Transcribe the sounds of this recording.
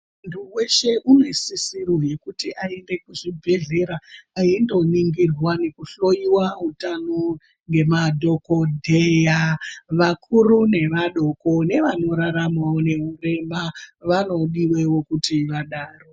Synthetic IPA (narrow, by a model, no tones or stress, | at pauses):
ntʰuwe̞ʃe̞ʔune̞sisiroje̞kutiʔae̞nde̞kuʐibʱe̞ɮe̞ɾaaindo̞niŋɡirwane̞kuɬo̞jiwaɦutano | ŋɡe̞madʱo̞ko̞dʱejaʋakʰurune̞ʋaɗo̞ko̞ne̞ʋano̞ɾaɾamwaone̞ɦure̞maʋano̞ɗiwe̞wokutiʋaɗaːro